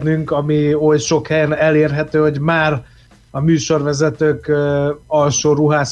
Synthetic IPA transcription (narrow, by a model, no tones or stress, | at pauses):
nyŋkɒmiojʃo̞khɛjɛnɛleːrɦɛt̪øːho̞ɟmaːr | ɒmyːʃo̞rʋɛzɛt̪øːk | ɒlʃoːɾuɦaːs